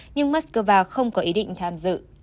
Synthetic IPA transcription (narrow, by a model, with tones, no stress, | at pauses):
ɲɨ˧ŋmaː˦˥t̚skəː˧vaː˧xə˧wŋ͡mkɔ˨˦ʔi˨˦ɗḭ˧˨ŋ̟t̪ʰaː˧mzɨ̰˧˨